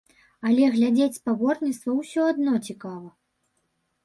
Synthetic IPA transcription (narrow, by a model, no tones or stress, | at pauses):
ɐlʲɛɣlʲad͡zʲet͡sʲspabɔrnʲit̪st̪vɐwsʲɔad̪nɔt͡sʲikavɐ